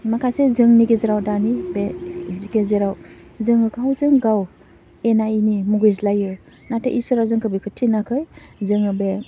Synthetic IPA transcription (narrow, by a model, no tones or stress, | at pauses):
makʰasezɯŋniɡezeɾawdanibeziɡezeɾawzɯŋɯɡawzɯŋɡaw | enainimuɡɯjz̬lajɯ | natʰeʔisɯɾawzɯŋkʰɯbikʰɯtʰːinakʰɯjzɯŋɯbe